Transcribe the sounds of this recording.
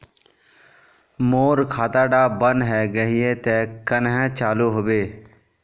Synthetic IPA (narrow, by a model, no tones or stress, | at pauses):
moːɾkʰaːt̪aːɖaːbənɦɛːɡəɦɪet̪eːkənɦɛ̃t͡ʃaːluɦoːbeː